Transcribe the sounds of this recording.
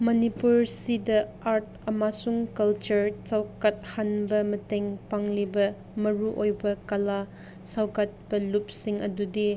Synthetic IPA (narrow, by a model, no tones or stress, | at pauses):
mɐnipuɾsidɐ | aɾt̚ʰ | ɐmasuŋkɐlt͡ʃɐɾt͡ʃawkat̚hanbɐmɐteŋpaŋlibɐ | mɐɾuʔojbɐkɐla | sawkat̚bɐlup̚siŋɐdudi